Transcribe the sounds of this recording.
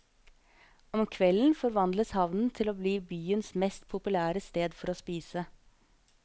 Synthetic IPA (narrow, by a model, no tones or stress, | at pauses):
ɔmkʰʋɛln̩fɔɾʋɑnd̪ləshɑʋnn̩t̪ʰɪloːbliːbyːənsmɛst̪pʰʊpʉlæːɾəst̪eːd̪fɔɾoːspiːsə